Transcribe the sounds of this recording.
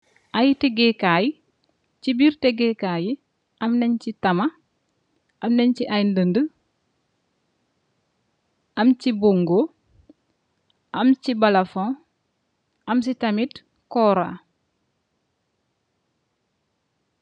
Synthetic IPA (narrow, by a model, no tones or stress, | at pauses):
ʔajteɡɛkaji | cibiɾtɛɡɛkaji | ɐmnɛɲcitɐmɐ | ʔɐmnɛɲciʔajndəndə | ʔɐmcibuŋɡo | ʔɐmcibɐlɐfõ | ʔɐmsitɐmit | kɔːɾa̰